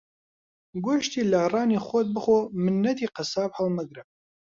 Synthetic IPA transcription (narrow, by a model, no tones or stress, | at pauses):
ɡoʃt̪iːlɐhrɑːniːχʷot̪̚bɨχomɨnːɐt̪iːqɨsɑːphɐlˠmɨɡɾɨ